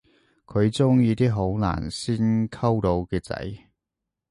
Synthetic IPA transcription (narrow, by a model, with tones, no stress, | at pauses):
kʰɵ˨˧ɥt͡sʊ˥ŋjiː˨˧t̪iː˥ɦo˨˥wna̰ː˨˩nsiː˥nkʰɐ˥wt̪o˨˧wkɛː˧t͡sɐ̰˨˥j